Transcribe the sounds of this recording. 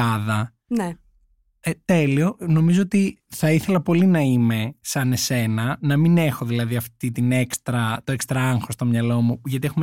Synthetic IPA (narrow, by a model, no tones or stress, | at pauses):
ɐðɐ | ne | et̪e̞lio̞no̞mizoot̪iθɐiθe̞lɐpo̞linɐime̞sɐne̞se̞nɐnɐmine̞xoðilɐðiɐft̪it̪ine̞kst̪ɾɐt̪o̞e̞kst̪ɾɐɐŋxo̞st̪o̞mɲɐlo̞muʝɐt̪ie̞xume